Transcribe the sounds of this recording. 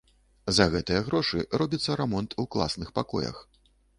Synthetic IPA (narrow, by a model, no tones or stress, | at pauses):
zɐɣɛt̪ɨjɐɣɾɔʂɨrɔbʲit̪sːɐɾɛmɔnt̪ʰuklˠa̰snɨxpakɔ̰jɐ̰x